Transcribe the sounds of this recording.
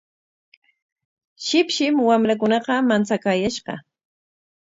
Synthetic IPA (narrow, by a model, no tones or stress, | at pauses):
ʃɪpʃɪmwamɾak̬ʊnɑqɑmant͡sakaːjaʃɢɑ̰